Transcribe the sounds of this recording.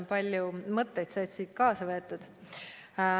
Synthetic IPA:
npɑlʲjumɤt̪ːe̞jt̪sɑːt̪siːt̪̚kɑːsɑvɤet̪ːˑud̪̥

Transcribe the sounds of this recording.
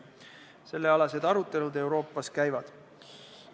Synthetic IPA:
se̞lːe̞ɑlɑse̞d̪̥ɑɾut̪ˑːe̞lud̪e̞wɾo̞ːpːˑɑskæjvɑd̪̥

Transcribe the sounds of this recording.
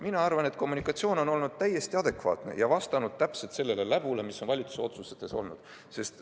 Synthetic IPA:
minɑɑrvɑne̞t̪ˑko̞mːunikːˑɑt̪sio̞ːno̞no̞lnud̪̥̚t̪æje̞st̪iɑd̪̥e̞kvɑ̰ːt̪ne̞̰jɑvɑst̪ɑnud̪̥̚t̪æpse̞lt̪se̞lːe̞le̞læb̥ule̞miso̞nvɑlʲit̪su̥seo̞t̪suset̪ːe̞so̞lnud̪̥ | se̞st̪

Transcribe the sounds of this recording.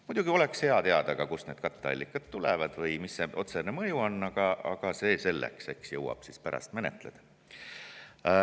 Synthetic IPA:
mud̪̥uɡ̥io̞lekshe̞ɑt̪e̞ɑd̪̥ɑɡ̥ɑkusne̞ːd̪kɑt̪ːˑeɑ̰lʲːikːˑɑt̪t̪ːulɛvɑd̪̥vɤjmisːeʔo̞t̪senemɤjuo̞nːɑɡ̥ɑɑ̰ɡ̥ɑse̞ːse̞lːḛkse̞ksjɤwɑ̰b̥sispæɾɑ̰st̪me̞nḛt̪ˑle̞d̪̥ɑ

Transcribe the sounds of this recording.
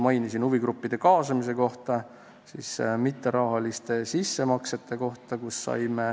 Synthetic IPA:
mɑjnisinuviɡ̥ɾupːid̪̥e̞kɑːsɑmis̬e̞ko̞ht̪ɑ | sḭsmit̪ːˑeɾɑɦɑlist̪e̞sisːe̞mɑkse̞t̪ːˑe̞ko̞ht̪ɑkusːɑ̰jme

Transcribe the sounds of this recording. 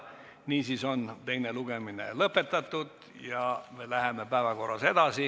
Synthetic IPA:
niːsiso̞nt̪e̞jneluɡ̥eminḛlɤpːˑe̞t̪ːˑɑt̪ːud̪̥ | jɑmelæɦemepæːvɑko̞rːɑse̞d̪ɑsi

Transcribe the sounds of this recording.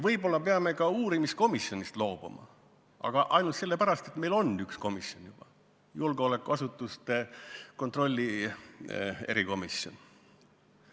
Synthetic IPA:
vɤjbo̞lːɑpeɑme̞kɑuːɾimist̪ko̞misjo̞nʲist̪lo̞ːb̥ṵmɑ̰ | ʔɑ̰ɡ̥ɑʔɑjnult̪selːe̞pæɾɑst̪e̞t̪me̞jlo̞nyksko̞misjonjub̥ɑ | julɡ̥eole̞kːˑuɑsut̪ːˑust̪e̞ko̞nt̪ro̞lʲːi | e̞̰ɾiko̞misjo̞̰n

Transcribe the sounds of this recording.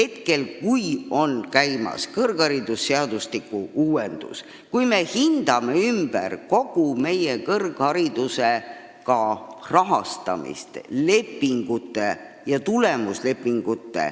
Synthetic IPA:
he̞t̪ke̞lkujo̞nkæjmɑ̰skɤrɡ̥ɑɾid̪usːeɑd̪̥ust̪ikːˑuuːwend̪̥ṵs | kujme̞hind̪̥ɑme̞ymb̥æ̰rko̞ɡ̥ume̞jekɤrɡ̥hɑɾid̪̥use | kɑrɑɦɑst̪ɑ̰mḭst̪le̞pːiŋɡ̥ut̪ːˑe̞ | jɑt̪ule̞musle̞pːˑiŋɡ̥ut̪ːḛ

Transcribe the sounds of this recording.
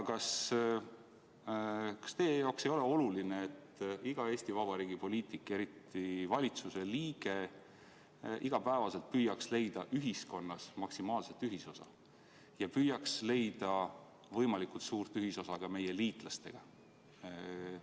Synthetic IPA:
kɑs | kɑ̥st̪eːjjɑwkse̞jo̞le̞o̞lulineet̪ːiɡ̥ɑe̞ːsʲt̪ivɑb̥ɑɾiːɡ̥ipo̞liːt̪ˑikˑːe̞ɾit̪ːˑivɑlʲit̪suse̞liːɡ̥e̞ | ʔiɡ̥ɑpæe̞vɑse̞lt̪̚pyːjːɑksle̞jd̪̥ɑʔyɦisko̞nːɑsmɑksimɑːlse̞t̪ːyɦiso̞sɑ̰ | jɑpyːjɑksle̞jd̪̥ɑ | vɤ̞jmɑlikult̪suːrt̪ˑyɦiso̞sɑɡ̥ɑme̞jeliːt̪ˑlɑst̪e̞̰ɡ̥ɑ

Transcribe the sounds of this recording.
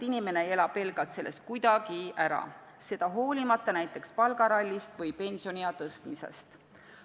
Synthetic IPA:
inime̞ne̞elɑbe̞lɡ̥ɑlt̪se̞lːe̞st̪̚kujd̪̥ɑɡ̥iʔæɾɑ̰ | se̞d̪̥ɑɦo̞ːlʲimɑt̪ˑːɑnæjt̪ːˑe̞kspɑlɡɑɾɑlʲːist̪vɤjpe̞nʲsio̞niɑt̪ɤst̪mise̞̰st̪

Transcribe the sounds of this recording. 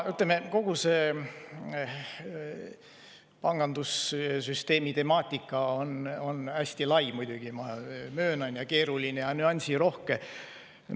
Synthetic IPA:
yt̪lemeko̞ɡ̥use̞ː | pɑŋɡ̥ɑnd̪̥ussyst̪e̞ːmit̪e̞mɑːt̪ʲːˑikːˑɑo̞no̞næsʲt̪ilɑjmujd̪uɡ̥imɑmøːnɑnjɑke̞ːɾulinejɑnyɑnʲsiɾo̞hke

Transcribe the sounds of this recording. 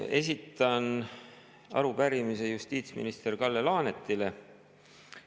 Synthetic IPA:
e̞s̬it̪ːˑɑn | ɑ̰ɾupæɾimise̞just̪iːt̪smḭnist̪e̞rkɑlːelɑːnet̪ːˑile̞

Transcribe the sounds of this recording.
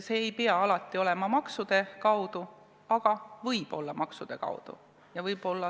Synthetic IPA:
se̞ːjpeɑɑlɑt̪ːˑio̞le̞mɑmɑksud̪̥e̞kɑwd̪̥u | ɑɡ̥ɑvɤjb̥o̞̰lːɑmɑksud̪̥e̞kɑ̰wd̪̥ṵ | jɑvɤjb̥o̞lːɑ

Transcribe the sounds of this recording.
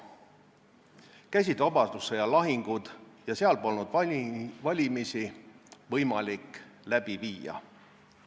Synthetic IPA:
kæjs̬id̪vɑbɑd̪̥usːejɑlɑɦiŋɡ̥ud̪̥jɑseɑlpolnud̪̥vɑlʲimisivɤjmɑlikːlæb̥iviːjɑ̰

